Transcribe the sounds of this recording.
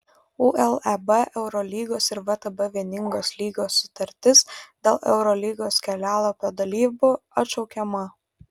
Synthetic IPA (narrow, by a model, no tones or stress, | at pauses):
uʔɛlˠɛbɛʔɛʊɾɔlʲiːɡoːsɪɾʋɐt̪ɐbɐʋʲiɛnʲɪŋɡoːslʲiːɡoːsːʊ̥t̪ɐɾʲt̪ʲɪsd̪ʲeːlˠʔɛ̰ʊɾɔlʲiːɡoːskʲɛlʲæːlˠɐpʲoːd̪ɐlʲiːbʊɐt̪t͡ʃɔʊkʲɛmɐ